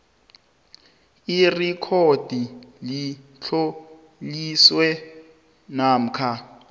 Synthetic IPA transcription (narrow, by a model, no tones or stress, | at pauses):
irikʰod̥ʱili | t͡ɬʰo | liswɛ | nam̩kʰa